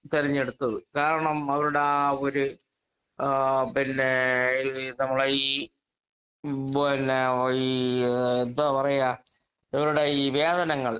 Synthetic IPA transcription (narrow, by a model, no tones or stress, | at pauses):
t̪iɾiɲːeɽut̪ːɐðɨkaːɾɐɳɐmɐʋɐɾuɽeoɾu | pinːe̞ | nɐmːɐɭiː | inːei | end̪oːpɐrɐja | iʋɐɾuɽeiːʋeːd̪ɐnɐŋːɐɭ